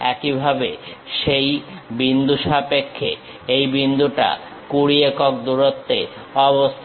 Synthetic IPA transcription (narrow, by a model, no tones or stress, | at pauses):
ɛ̰kibʱabeʃejbind̪uʃapekʰːḛ | ejbind̪uʈa̰ | kuɽiekɔk̚d̪uɾot̪ːeɔbost̪ʰ